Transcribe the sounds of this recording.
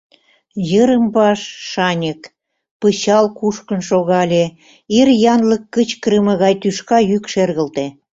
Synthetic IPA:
jəɾəmbɑʃːɑnʲək | pəɕɑlkuʃkə̆nʃoɣɑlʲe | irjɑnləkːət͡ɕkɾəməɣɑjt̪yʃkɑjykʃerɣə̆lt̪e

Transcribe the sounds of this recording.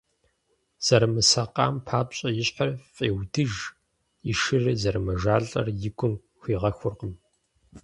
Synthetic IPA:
z̥ɐɾmɨsɐqɑ̰ːmpʰaːpɕʼɐjɪɕħarfʼeːwdɨʒ | iʃɨrɨzɐɾɨmɐʒaːɮʼɐ̰rjɪɡʷʰʼʊm | xʷiːʁɐxʷʊrqəm

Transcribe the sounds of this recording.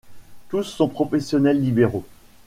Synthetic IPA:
t̪usːɔ̃pχɔfɛsjɔnɛlːibeʁo

